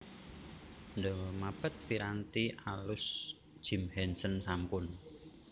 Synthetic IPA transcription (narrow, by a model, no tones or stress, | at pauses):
nd̪əmapət̪̚piɾant̪ialʊs | d̥ʒ̥i̤mhɛnsənsampʊn